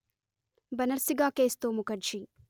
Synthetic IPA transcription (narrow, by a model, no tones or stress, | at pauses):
bɐnɐɾsiɡaːkeːst̪oːmukɐɖt͡ʃi